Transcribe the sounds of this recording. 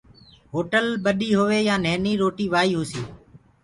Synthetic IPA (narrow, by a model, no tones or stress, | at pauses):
ɦoːʈəlɓəɗiːɦʊʋeːjãːneːniːɾoːʈiːʋaːiːɦoːsiː